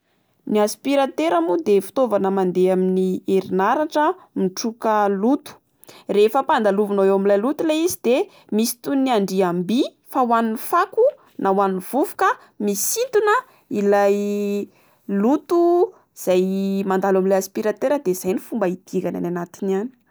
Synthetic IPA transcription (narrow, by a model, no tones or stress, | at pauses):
niaspiɾat̪eɾamud̪efi̥t̪ovanəmand̪eaminieɾinaɾaʈ͡ʂəmiʈ͡ʂukəlut̪u̥ | refəpand̪aluvunoewamilajlut̪uleizid̪̥e | misi̥t̪uniaɳɖ͡ʐiambi | fawanifaku | nawaniv̥uvu̥kə | misint̪unə | ilaj | lut̪u | z̥ajmand̪alamilajaspiɾat̪eɾəd̪ez̥ajnifumbəid̪̥ikana̰nanat̪inani̥